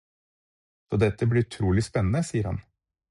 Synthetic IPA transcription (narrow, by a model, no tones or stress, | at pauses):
d̪oːd̪ɛt̪ːəblɪɾʉt̪ʰɾuːlɪspɛnːn̩əsiːəɾhɑ̰n